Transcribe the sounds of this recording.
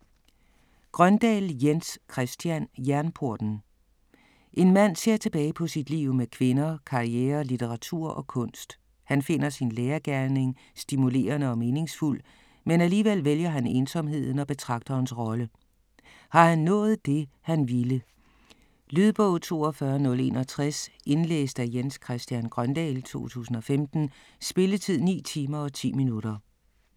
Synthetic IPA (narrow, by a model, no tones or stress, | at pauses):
ɡ̥ʁɶnd̥ɛ̰ːljenskʰʁɛsd̥jænjæɐnpʰo̝ɐd̥n̩ | ʔe̝nmæn̰se̝ɐ̰t͡sʰe̝b̥ɛːɪpʰɒ̽sid̥lḭʊ̰mekʰʋe̝nɐkʰɑ̈ʁieːɐlit͡sʰeʁɑ̈t͡sʰuɐ̰ʔɒ̽kʰɔ̽n̰sd̥ | hænfe̝n̰ɐsinleːɐɡ̥æɐne̝ŋ | sd̥imule̝̰ːɐnəɒ̽me̝ːne̝ŋsful̰ | menæliːʋel̰ʋeljɐɦæne̝nsɒ̽mɦe̝ð̞̰ˠn̩ɒ̽b̥e̝t͡sʰʁɑ̈ɡ̥̚d̥ɐnsʁɒ̽lə | hɑ̈hænːɔ̰̽ːð̩ˠd̥e̝hænʋilə | lyðˠb̥ɔ̰̽ʊð̩ˠt͡sʰo̝ːɒfɶɐnɔ̽le̝̰ːnɒ̽t͡sʰʁase̝nlḛːsd̥æjenskʰʁɛsd̥jænɡ̥ʁɶnd̥ɛ̰lt͡sʰo̝̰ːt͡sʰṵːsn̩ɒ̽femd̥n̩ | sb̥e̝lət͡sʰið̞̰ˠnḭːt͡sʰiːmɐɒ̽t͡sʰḭːminuɾ̥ɐ